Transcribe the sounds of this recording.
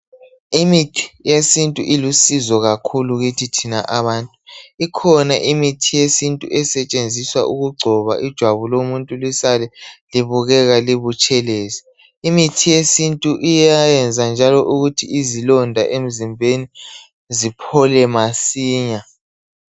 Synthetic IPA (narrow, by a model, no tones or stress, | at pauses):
imitʰi̥jesintʼuʔilusizɔɣakʰuluɣitʰitʰinaʔaβaːntʼuikʰɔnaʔimitʰijesintʼuʔɛsɛt͡ʃʼend͡zʱiswaʔuɣuɡ͡ǀʱɔβa̰ʔid̥ʒ̥ʱwaβulomuntʼulisalɛliβuɣɛɣaliβut͡ʃʼɛleːzɛ | imitʰijesintʼuʔijajɛnd͡zʱand͡ʒʱalɔʔuɣutʰiizilɔndʱaʔem̩zimbʱeni | zipʰɔlɛmasiːɲa